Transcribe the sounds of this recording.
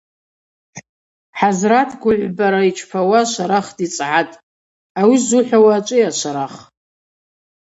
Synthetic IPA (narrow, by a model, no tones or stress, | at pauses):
ħazratʰɡʷʊʕʷbaɾait͡ʃʰpʰawaʃʷaɾaχdit͡sʼʕatʼ | awizuħʷᶣawaːt͡ʃʷʼɨaʃʷaɾaχ